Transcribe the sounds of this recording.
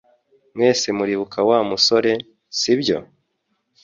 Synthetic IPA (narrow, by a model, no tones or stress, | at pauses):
mŋwe̞ːsemuɾiβukawamuso̞ɾe̞ | sibjo̞̰